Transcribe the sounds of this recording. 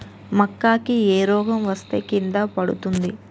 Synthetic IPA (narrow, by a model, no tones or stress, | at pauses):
mɐkːaːkieːɾɔːɡɐmʋɐst̪e̞ːkind̪apɐɽṵt̪und̪i